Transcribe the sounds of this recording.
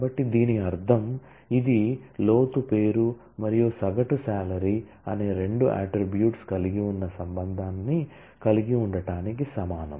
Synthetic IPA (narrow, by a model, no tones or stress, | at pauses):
bɐʈːid̪iːniɐɾd̪ʱɐm | id̪ilo̞ːt̪upe̞ːɾu | mɐɾijusɐɡɐʈusaːlɐɾi | ɐ̰neːɾe̞ɳɖuʔa̰ːʈɾibjuːʈskɐliɡiunːɐsɐmbɐnd̪ʱaːnːi | kɐliɡiuɳɖɐʈaːnikisɐmaːnɐ̰m